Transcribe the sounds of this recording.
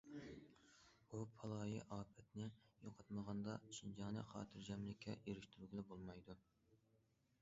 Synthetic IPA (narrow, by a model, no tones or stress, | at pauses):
bupʰɑlˠɑːjiʔɑːpʰɛt̪nɪjoqʰɑt̪məʁɑnd̪ɑt͡ʃʰind͡ʒɑŋnɨχɑ̰ːt̪ʰɨɾd͡ʒɛmlɪkʲʰɛjeɾɪʃt̪ʰyɾɡʲilɛbolˠmɑjd̪u